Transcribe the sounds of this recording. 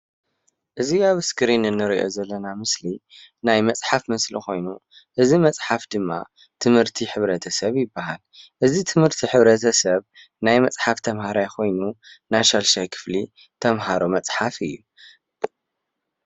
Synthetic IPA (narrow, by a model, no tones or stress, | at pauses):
ʔɨziaβɨskʰɨɾinɨnːɨɾiʔo̞̰zɐlːɐnamɨslinajmɐt͡sʼħafmɨslḭxo̞jnu | ʔɨzimɐt͡sʼħafd̪ɨmːa̰ | t̪ʰɨmhɨɾt̪ʰiħɨβɾɐt̪ʰɐsɐβjɪbːaɦalʔɨzit̪ʰɨmhɨɾt̪ʰiħɨβɾɐt̪ʰɐsɐβ | najmɐt͡sʼħaft̪ʰɐmhaɾajkʰo̞jnunajʃalʃajkʰɨ̥fli | t̪ʰɐmɦaɾumɐt͡sʼħafɨjːu